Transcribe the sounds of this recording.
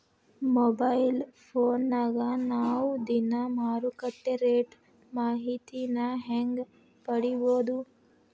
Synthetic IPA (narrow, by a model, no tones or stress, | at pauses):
moːbɐjlpʰoːnːɐɡɐnaːwud̪inɐmaːɾukɐʈːeɾeːʈ | maːɦit̪inɐɦeŋɡ | pɐɽiboːd̪u